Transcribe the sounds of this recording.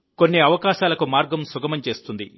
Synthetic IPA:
ko̞nːiɐʋɐkaːʃaːlɐkumaːɾɡɐmsuɡɐmɐmt͡ʃe̞ːst̪und̪ḭ

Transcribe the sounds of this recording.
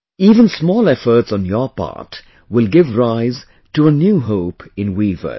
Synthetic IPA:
iːvə̃nsmɔːlˠɛfə˞tsɔ̃n̩jɔpa̰ɹt | wɪlˠɡɪvɹaɪz̥ | tuənjuːɦoʊpɪ̃nwivə̰

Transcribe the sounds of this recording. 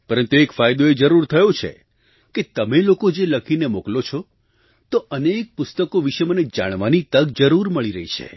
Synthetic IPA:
pəɾənt̪uekfajd̪oed͡ʒəɾuɾt̪ʰəjot͡ʃʰḛ | ket̪əmelokod͡ʒeləkʰinemoklot͡ʃʰɔ | t̪oənek̚pʊst̪əkoʋiʃeməned͡ʒa̰ɽ̃ʋanit̪əɡ̚d͡ʒəɾuɾməɭiɾəɦit͡ʃʰḛ

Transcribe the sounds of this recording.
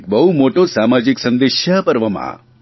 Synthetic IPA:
k̚bɐɦumoːʈosaːmaːd͡ʒiksɐ̃nd̪eʃjapɐɾʋəma̰

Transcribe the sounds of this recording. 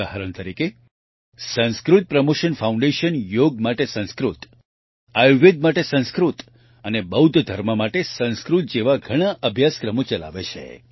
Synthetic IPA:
aɦaɾəɳt̪əɾike | sə̃nskɾut̪̚pɾəmoʃənfaũɳɖeʃənjoɡ̚maʈesə̃nskɾut̪ | ajʋed̪̚maʈesə̃ñskɾut̪ | ənebəud̪ʱd̪ʱəɾməmaʈesə̃nskɾut̪̚d͡ʒeʋaɡʱəɽ̃aʔəbʱjaskɾəmõt͡ʃəla̰ʋet͡ʃʰḛ

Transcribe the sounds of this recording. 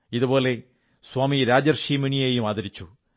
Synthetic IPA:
iðubo̞ːle̞ | swaːmiɾaːd͡ʑɐrɕiːmɐɳijeːjumaːðɐɾit͡ɕːu

